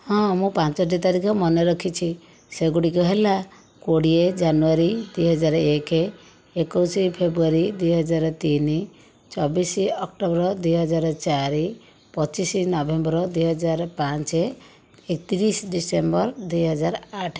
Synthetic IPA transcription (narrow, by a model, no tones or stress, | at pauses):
hɔ̃mũpãnt͡ʃɔʈ̬it̪aɾikʰɔmɔneɾɔkʰit͡ʃʰi | seɡuɽikɔɦela | koɽied͡ʒanuaɾid̪uijɦɔd͡ʒaɾɔekeː | kɔwsipʰebɾuaɾid̪ujɦɔd͡ʒaɾɔt̪ini | t͡ʃɔbisiɔk̚ʈɔbɾɔd̪ujɦɔd͡ʒaɾɔt͡ʃaɾi | pɔt͡ʃisinɔbembɾɔd̪ujɦɔd͡ʒaɾɔpant͡ʃe | ekt̪iɾisɖisembɔɾd̪ujɦɔd͡ʒaɾaʈʰ